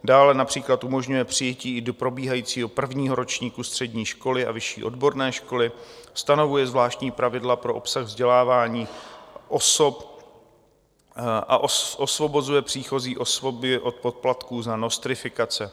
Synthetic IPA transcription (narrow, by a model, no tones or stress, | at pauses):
daːlɛnapr̝̥iːklat̪ʔumo̞ʒɲujɛpr̝̥ɪjɛciːɪdo̞pɾo̞biːɦajiːt͡siːɦo̞pr̩vɲiːɦo̞ɾo̞t͡ʃɲiːkust̪r̝̥ɛdɲiːʃko̞lɪʔa̰vɪʃḭːʔo̞dbo̞ɾnɛːʃko̞lɪst̪ano̞vujɛzvlaːʃt̪ɲiːpɾavɪdlapɾo̞ʔo̞psaɣvzɟɛlaːvaːɲiːʔosop | ʔa̰ʔoʔosvo̞bo̞zujɛpr̥iːxo̞ziːʔosvobɪʔo̞t̪̚po̞t̪̚plat̪kuːzanost̪ɾɪfɪkat͡sɛ